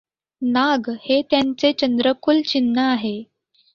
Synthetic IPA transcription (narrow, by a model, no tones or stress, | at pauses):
naɡhet̪jant͡set͡ɕənd̪ɾəkʰult͡ɕinːəaɦe